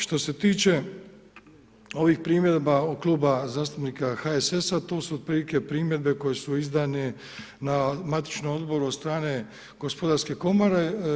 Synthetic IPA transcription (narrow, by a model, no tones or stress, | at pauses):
ʃt̪o̞se̞t̪iːt͡ʃe̞ | o̞ʋixpɾiːmje̞d̪baoklˠuːbazaːst̪apniːkaxaesesat̪o̞ːsuod̪̚pɾiːlike̞pɾiːmjed̪̚be̞ko̞je̞suizd̪ane | namat̪i̥t͡ʃnomo̞d̪bo̞ɾud̪st̪ɾaːne̞ | ɡ̥o̞spo̞d̪aɾske̞ko̞maɾe